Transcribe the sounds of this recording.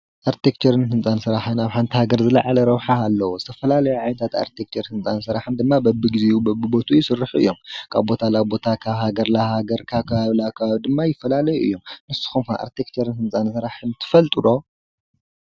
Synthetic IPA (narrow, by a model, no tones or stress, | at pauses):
ʔaɾt̪ʰekt͡ʃʰɐɾɨnhɨnt͡sʼansɨɾaħɨnaβħant̪ʰihaɡɐɾzɨlaʕalɐɾɐwħaːlːɐwozɨt̪ʰɐfɐlalɐjuʕajnt̪ʰat̪a̰ɾt̪ʰekt͡ʃʰɐɾhɨnt͡sʼansɨɾaħɨnd̪ɨmːabɐbɨɡizeubɐbːɨbo̞t̪ʰujːisɨrːɨħuɨ̰jːomkʰa̰βbo̞t̪ʰalaβbo̞t̪ʰakʰaβhaɡɐɾlahaɡɐɾkʰaβkʰɐβaβlakʰɐβaβid̪ɨmːajɪfːɐlalɐjuʔɨ̰jːo̞mnɨsu̥xumha̰ʔa̰ɾt̪ʰekt͡ʃʰɐɾɨnhɨnt͡sʼansɨɾaħɨnt̪ʰɨ̥fɐlt̪ʼɨlo̞